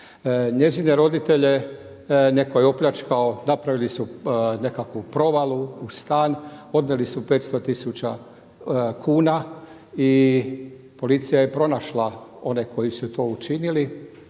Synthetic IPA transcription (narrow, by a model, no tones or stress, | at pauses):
ɲe̞zine̞ɾo̞d̪it̪e̞ʎe̞ | ne̞ko̞jeo̞pʎat͡ʃkaonapɾaʋilisune̞kakʋupɾo̞ʋalˠuust̪aːno̞d̪nelisupe̞ːt̪st̪o̞t̪isut͡ɕa | kʰuːna | i | po̞lit̪sijaje̞pɾo̞naʃlao̞neko̞jisut̪o̞ːut͡ʃinili